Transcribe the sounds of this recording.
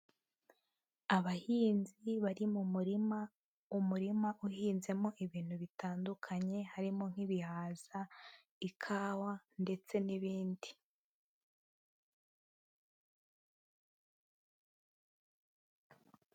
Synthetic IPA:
aβahiːnziβaɾimumuɾia | umuɾimaʔuhiːnze̞mo̞ʔiβiːn̥huβitaːndukʰaɲe̞haɾimo̞ŋ̥hiβihaːz̥a | ikʰaːwande̞t͡se̞niβiːndi

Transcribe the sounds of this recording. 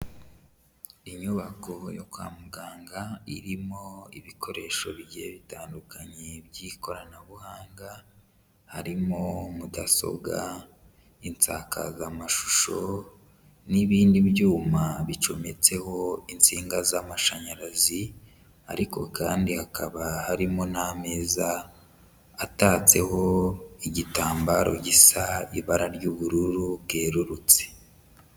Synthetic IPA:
iɲuβako̞jokwa̰ːmuɡaːŋɡaiɾimo̞ḭβikʰo̞ɾe̞ʃo̞βiɟijeβitaːndukʰaɲebjiko̞ɾanaβuhaːŋɡa | haɾimomudaso̞̰bɡa | int͡sa̰ka̰ɡamaʃu̥ʃo̞ | niβiːndibjuːmaβit͡ʃo̞me̞t͡se̞ho̞int͡siːŋɡazamaʃaɲaɾazi | a̰ɾiko̞̰kaːndihakʰaβahaɾimoname̞ːzaː | taːt͡se̞ho̞iɟitaːmbaɾo̞̰ɟisaiβaɾaɾɟuβuɾuɾubɡe̞ːɾuɾut͡se̥

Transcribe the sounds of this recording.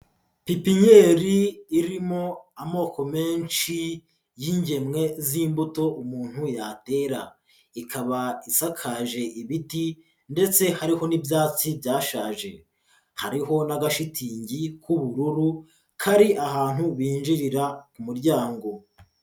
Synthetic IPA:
pipiɲeːɾiːɾimo̞amo̞ːko̞me̞ːnʃi | jiɲɟe̞mŋe̞ziːmbuto̞ʔumuːn̥hujate̞ɾa̰ | ikʰaβaisakʰaʒe̞ʔiβiti | nde̞t͡se̞haɾiho̞nibjaːt͡sibjaːʃaːʒe̞̰ | ha̰ɾiɦo̞naɡaʃitʰiːɲɟikuβuɾuɾu | kʰaɾiʔaɦaːn̥huβiːnd͡ʒiɾiɾakumuɾɟaːŋɡo̞

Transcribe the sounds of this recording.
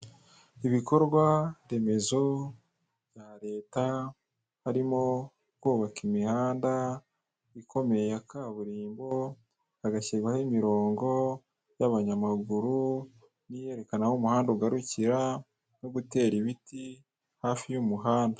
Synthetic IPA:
iβiko̞ɾɡwaɾe̞me̞zo̞ | β̥jaɾe̞ːta | haɾimo̞ | kuːβakimihaːnda | ikʰo̞me̞jakaβuɾiːmbo̞ | aɡaçiɾɡwahemiɾo̞ːŋɡo̞ | jaβaɲamaɡuɾu | nije̞ɾe̞kanahomuhaːndouɡaɾuciɾa | no̞ɡute̞ːɾiβiti | haːfijumuɦaːndḁ

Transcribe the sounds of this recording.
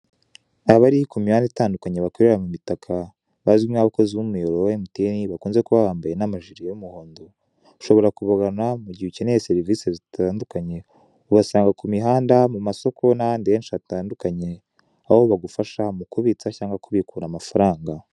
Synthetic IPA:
aβaɾikumihaːnditaːndukaɲe̞βako̞ɾe̞ɾamumitakʰa | βazɡimnaβako̞ziβumujoɾowemutiniβakuːnze̞kuβahaːmbaje̞namaʒiɾiajumuhoːndo | uʃo̞βo̞ɾakuβaɡanamuɟihucenejeseɾivisezitʰaːndukaɲe̞ | uβasaːŋɡakumiɦaːndamumaso̞kʰo̞nahaːndieːnʃiataːndukaɲe̞ | ahoβaɡufaʃamukuβit͡sacaːŋɡakuβikuːɾamafaɾaːŋɡa

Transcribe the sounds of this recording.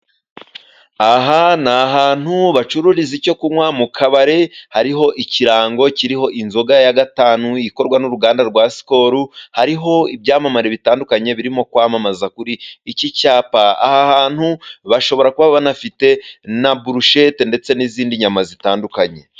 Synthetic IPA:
aɦanaɦaːn̥huβat͡ʃuɾuɾizico̞kumwamukʰaβaɾe̞haɾiɦo̞ʔiciɾaːŋɡo̞ciɾiɦo̞ʔinzo̞ɡajaɡataːnuiko̞ɾɡwanuɾuɡaːndaɾɡwaːsi̥ko̞ɾuhaɾiɦo̞ibɟaːmamaɾeβitaːndukaɲe̞βiɾimo̞kwaːmamazakuɾiːcicaːpaa̰hahaːn̥huβaʃo̞βo̞ɾakuβaββanafite̞nabuɾuʃetende̞t͡se̞niziːndiɲamazitaːndukaɲe̞

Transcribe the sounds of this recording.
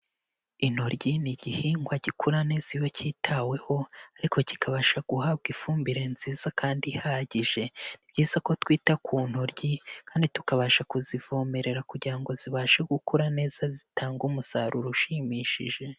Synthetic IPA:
in̥hoɾɟiniɟihiŋɡwaɟikʰuɾane̞zijocʰiːtʰawe̞ho̞aɾikʰo̞ci̥kʰaβaːʃaɡ̥uhab̚ɡifuːmbiɾe̞nziːz̥akaːndihaːɟiʒe̞nibɟiːz̥ako̞twiːtakʰuːn̥hoɾɟikaːnditukaβaːʃakuzivo̞ːme̞ɾe̞ɾakuɟiɾaŋɡo̞ziβaːʃe̞ɡukʰoɾane̞ːzazitʰaːŋɡumusaɾuɾuʃimiːʃḭʒe̞

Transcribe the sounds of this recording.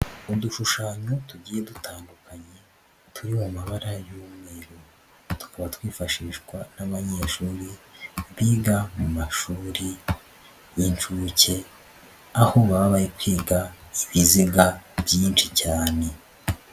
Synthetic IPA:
uduʃuʃaːɲotuɟiːje̞dutʰaːndukaɲe̞ | tʰuɾimumaβaɾajuːmŋe̞ɾo | tu̥kaβatwiːfaʃiːʃɡwanaβaɲeːʃuːɾiβiːɡamumaʃuːɾi | int͡ʃuːce̞ | aho̞βaβaβajikwiːɡaiβiziɡabjiːnʃicaːne̞

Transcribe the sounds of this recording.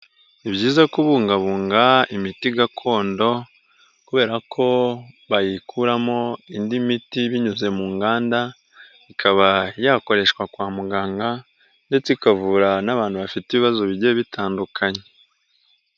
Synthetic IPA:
iβɟiːzakuβuːŋɡaβuːŋɡaimitiɡakʰo̞ːndo̞ | kuβe̞ːɾakʰo̞βajikʰuɾamo̞indimitiβiɲuze̞muːŋɡaːnda | ikʰaβajako̞ɾe̞ʃkwakwaːmuɡaːŋɡa | nde̞t͡seikavuːɾanaβaːnhuβafiteβiβazo̞βiɟieβitʰaːndukʰaɲe

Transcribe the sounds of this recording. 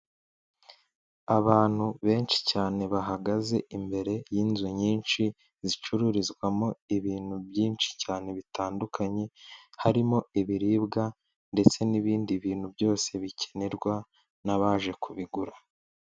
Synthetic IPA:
aβaːn̥huβe̞ːnt͡ʃi̥caːne̞βaɦaɡaze̞imbe̞ɾe̞jiːnzuɲiːnʃi | zit͡ʃuɾuɾizɡwamo̞iβiːn̥huβjiːnʃi̥caːne̞βitʰaːndukʰaɲe̞haɾimo̞iβiɾiːbɡa | nde̞t͡se̞niβiːndiβiːn̥hubɟo̞ːse̞βicʰeneɾɡwa | naβaːʒe̞kʰuβiɡuɾa

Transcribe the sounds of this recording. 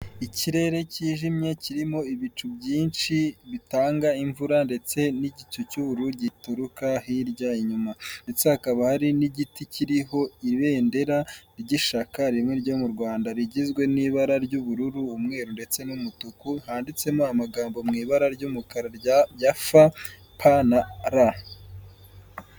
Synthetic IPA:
icʰiɾe̞ɾe̞ciːʒimɲe̞ciɾimo̞iβit͡ʃubjiːnʃiβitaːŋɡaiɱvuɾande̞t͡se̞niɟit͡ʃucuβuɾuɾɟituɾukahiɾɟaiɲumande̞t͡se̞hakaβahaɾiniɟiticiɾiɦo̞iβe̞ːnde̞ɾaɾɟiʃakaɾimŋeɾɟo̞ːmuɾɡwaːndaɾiɟizɡwe̞niːβaɾaɾɟuβuɾuɾuːmŋe̞ːɾunde̞t͡se̞numutukuhaːndit͡se̞moamaɡaːmbo̞mŋiːβaɾaɾɟumukaɾaɾjafa | pʰanaɾa

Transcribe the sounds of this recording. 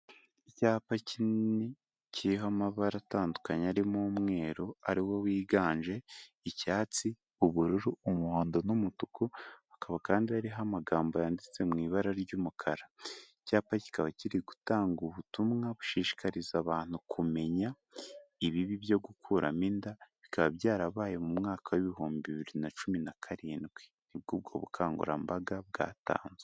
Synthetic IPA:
icaːpacinni | ciiɦamaβaɾataːndukaɲaɾimumŋe̞ːɾoa̰ɾiwo̞wiːɡaːɲʒe̞ | icaːt͡si | uβuɾuɾuumuhoːndonumutukʰuakaβakaːndiaɾiɦamaɡaːmbo̞jaːndit͡se̞mŋiːβaɾaɾɟumukʰaɾa | caːpaci̥kaβaciɾiɡu̥taːŋɡuβutumŋaβu̥ʃiːʃi̥kaɾizaβaːn̥hukʰume̞ɲa | iβiβiβjo̞ɡukʰuɾamindaβikaβaβɟaːɾaβaːjemumŋaːkʰaweβiɦuːmbiβiβiɾinat͡ʃuminakʰaɾiːndɡwe | nib̚ɡuːb̚ɡo̞̰βṵkʰaːŋɡṵɾa̰mbaɡab̚ɡa̰ːta̰ːnzwe

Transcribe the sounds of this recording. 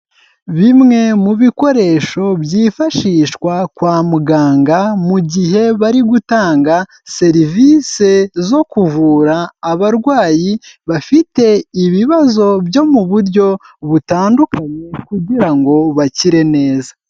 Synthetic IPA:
βimŋe̞muβiko̞ɾe̞ːʃo̞bjiːfaʃiːʃkwakwaːmuɡaːŋɡamuɟiɦe̞βaɾiɡutaːŋɡa | se̞ɾiviːse̞zo̞kuvuːɾaːβaɾɡwaːjiβafite̞iβiβazo̞bjo̞muβuɾɟo̞ | βutaːndukaɲe̞kuɟiɾaŋɡo̞βaciɾe̞ne̞ːza

